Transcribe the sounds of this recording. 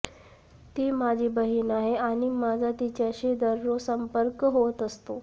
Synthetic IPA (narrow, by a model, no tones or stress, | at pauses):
t̪iːmad͡ʑʱiːbəɦinaɦeaɽ̃imad͡zʱat̪it͡ɕjaɕed̪əɾːosəmpəɾkɦot̪əst̪o